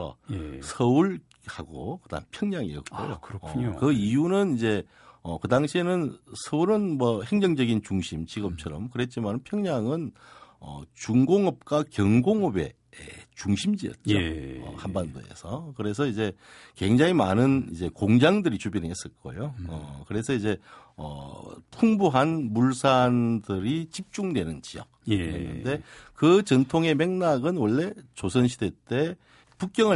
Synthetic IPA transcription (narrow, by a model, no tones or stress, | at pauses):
ʌ̰sʰʌuɭ | haɡokɯda̰ŋpʰjʌŋɲaŋijʌt̚k͈o̰jo̰kɯɾʰɲokɯijunɯnid͡ʑe̞ | ʌkɯdaŋɕʰienɯnsʰʌuɾɯnmwʌhe̞ŋd͡ʑʌŋd͡ʑʌɡint͡ɕuŋɕʰimt͡ɕiɡɯmt͡ɕʰʌɾʌmkɯɾet̚t͡ɕ͈imannpʰjʌŋɲaŋɯnʌ̰t͡ɕuŋɡoŋʌp̚k͈wakjʌŋɡoŋobe̞̰ | ḛt͡ɕuŋɕʰimd͡ʑiʌ̰t̚t͡ɕoʌ̰hambando̰e̞̰sʰʌkɯɾe̞sʰʌid͡ʑe̞kwe̞ŋd͡ʑaŋimanɯnḭd͡ʑe̞koŋd͡ʑaŋdɯɾit͡ɕubineɦes͈ɯɭk͈o̰joʌkɯɾe̞sʰʌid͡ʑe̞ʌ̰pʰuŋbuɦanmuɭsʰandɯɾit͡ɕip̚t͡ɕ͈uŋdwe̞nɯnt͡ɕijʌ̰k̚enːɯ̰nde̞kɯt͡ɕʌntʰoŋe̞me̞ŋnaɡɯnwʌɭːe̞t͡ɕosʰʌnɕʰide̞t͈e̞ | puk̚k͈jʌŋɯ